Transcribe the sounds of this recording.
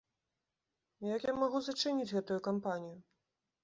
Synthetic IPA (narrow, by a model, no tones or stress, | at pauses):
jakjamaɣuzɐt͡ʂɨnʲit͡sʲɣɛt̪ujukampanʲiju